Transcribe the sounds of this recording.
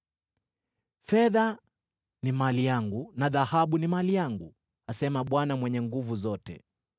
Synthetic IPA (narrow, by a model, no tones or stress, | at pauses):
fɛða | nimalijaŋɡunaðahaɓunimalijaŋɡu | asɛmaɓwanamwɛɲɛŋɡuvuzɔtɛ̰